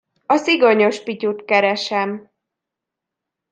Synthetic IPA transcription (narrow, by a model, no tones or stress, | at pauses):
ɒsiɡoɲo̞ʃpicut̪kɛɾɛʃɛm